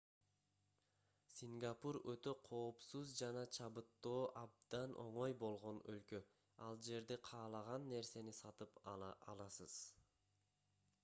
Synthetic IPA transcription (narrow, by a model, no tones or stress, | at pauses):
sʲiŋɡapuɾøt̪ø̞qʰo̞ːpsuzd͡ʒɑnɑt͡ʃʰɑβɯt̪ːo̞ːʔɑb̚d̪̥ɑnʔo̞̰ɴo̞jbo̞lˠʁo̞nø̰lkø | ɑlˠd͡ʒe̞ɾd̪eqʰɑːlˠɑʁɑnːe̞ɾse̞nisɑt̪ɯpɑlˠɑsɯz̥